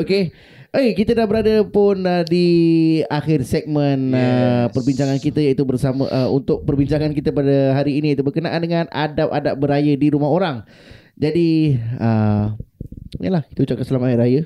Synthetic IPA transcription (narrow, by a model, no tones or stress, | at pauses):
oke | ʔejkit̪ədahbəɾadəpʊnədiaxɪrsɛk̚mə̃nəpərbiɲt͡ʃaŋankit̪əjait̪ubərsamə̰̃ʔəṵnt̪ʊk̚pərbiɲt͡ʃaŋankit̪əpadəɦaɾiːnit̪ubərkənaʔandəŋãna̰dap̚a̰dap̚bəɾajədiɾumaɦoɾaŋ | d͡ʒadiə | inəlahki̥t̪əut͡ʃap̚kansəlamaɾajə